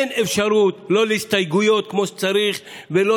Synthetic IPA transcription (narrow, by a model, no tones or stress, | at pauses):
enefʃaɾut̪lo̞leist̪ajɡujo̞t̪̚kmo̞ʃe̥t͡saɾiχvelo